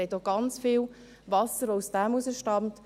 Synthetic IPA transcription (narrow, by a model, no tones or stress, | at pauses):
ɛtoɡ̥ɑnt͡sfiːl | vɑsəɾʋousd̥æmusəʃtɑmt